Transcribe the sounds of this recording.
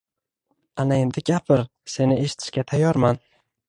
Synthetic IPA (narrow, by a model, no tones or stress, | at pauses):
anae̞nd̪ɪɡʲapʰɪɾ | se̞nɪe̞ʃɪ̥t̪ʰɪ̥ʃkʲat̪ʰajːɒɾman